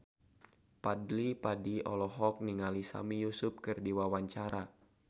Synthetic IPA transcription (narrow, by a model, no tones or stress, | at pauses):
padlipadiɔ̰lɔɦɔk̚niŋalisa̰mijusup̚kɨrdiwawaɲt͡ʃaɾʔa